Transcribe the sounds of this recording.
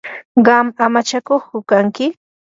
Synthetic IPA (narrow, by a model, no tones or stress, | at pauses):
ɢɑmamat͡ʃakoχkʊkaŋkɪ